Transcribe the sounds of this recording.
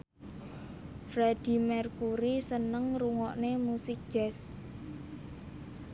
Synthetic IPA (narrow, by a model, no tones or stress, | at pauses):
fɾad̥i̤mɛrkuɾisənəŋɾuŋɔʔnemusik̚d̥ʒ̥ɛs